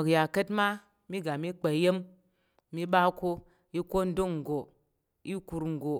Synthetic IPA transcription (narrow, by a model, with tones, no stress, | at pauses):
o˨kja˨kə˦tma˦ | mi˦ɡa˨mi˦k͡pe˨je˦mː | i˦ɓa˦ko˦ | i˦ko˦n̩˦do˦kŋ̩˨ɡo˨ | i˦ku˧ɾŋ̩˨ɡo˨